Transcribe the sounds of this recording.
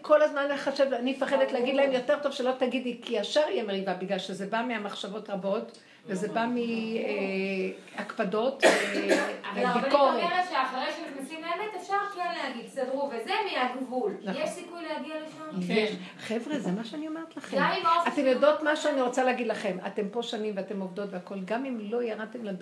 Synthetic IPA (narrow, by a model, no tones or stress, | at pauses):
kʰo̞lazmanleχaʃevanimefaχed̪et̪leaɡid̪laemjo̞te̞ʁt̪o̞vʃelot̪aɡidlikʰiaʃaʁijemeʁivabiɡlalʃezebamiamaχʃavo̞tʁabo̞t | vezebamie | akpado̞t | ebikoʁeeʁetʃeaχaʁejʃemiχnesimleemetefʃaʁklaleaɡid̪sad̪ʁuvezemiaɡvulnajeʃsikujlehaɡialeʃaneʃ | χevʁezemaʃeanio̞meʁet̪laχeɡmamimatemjodot̪maʃeaniʁo̞t͡saleaɡid̪laχe̞ma̰te̞mpo̞ʃanimveate̞movd̪o̞t̪veako̞lɡamimlo̞jaʁad̚t̪emlad